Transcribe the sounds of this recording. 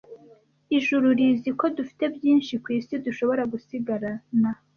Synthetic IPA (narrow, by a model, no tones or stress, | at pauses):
iʒuɾuɾiziko̞dufi̥te̞bjiːnʃikwiːsiduʃo̞βo̞ɾaɡusiɡaɾana